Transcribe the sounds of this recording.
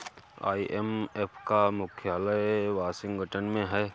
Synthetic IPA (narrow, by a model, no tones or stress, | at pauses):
a̰ːiʔemepʰkamʊkʰjaːləjʋaːsɪ̃ŋɡɡʱəʈənmẽɦɛː